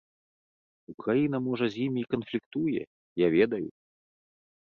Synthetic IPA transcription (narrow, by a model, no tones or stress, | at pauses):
ukɾajinɐmɔʐɐzʲjimʲikɐnflʲikt̪ujɛ̰ | javʲɛd̪ɐjṵ